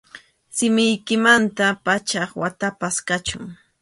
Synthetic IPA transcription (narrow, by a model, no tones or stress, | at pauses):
sɪmɪjkɪmant̪apat͡ʃɑχwat̪apaskat͡ʃʊ̰ŋ